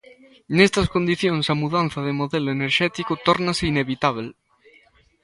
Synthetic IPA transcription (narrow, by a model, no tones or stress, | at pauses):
nest̪askond̪iθjõnsamuðan̟θaðemoðeloeneɾʃɛt̪ikot̪oɾnaseineβit̪aβ̞el